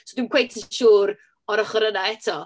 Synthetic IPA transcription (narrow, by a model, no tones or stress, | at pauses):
sɔdunkʰw̥ejtʰəʃuːɾ | ɔɾəχəɾənaɛtʰɔ